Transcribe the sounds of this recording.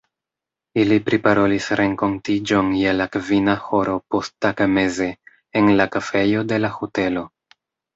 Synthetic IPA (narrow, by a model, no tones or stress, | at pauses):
ilipɾipaɾo̞lisɾʔe̞ŋko̞ntid͡ʒo̞njelakvinaho̞ɾo̞po̞stakame̞ze̞ː | nlakafe̞jo̞de̞lahote̞lo̞